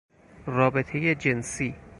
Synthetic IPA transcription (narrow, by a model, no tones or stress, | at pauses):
rɒːbe̞t̪ʰe̞jed͡ʒe̞nsiː